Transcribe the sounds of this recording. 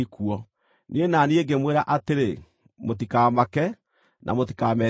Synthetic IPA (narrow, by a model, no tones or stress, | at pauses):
ikuɔ | nʔienaːnieɡemweɾaʔateɾe | mot̬ikaːmakɛ | nʔa̰mot̬i̥kaːmɛ